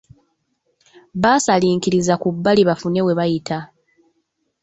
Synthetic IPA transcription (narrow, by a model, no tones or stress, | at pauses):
βasaliːŋkiɾizakubːaliβafune̞we̞βajita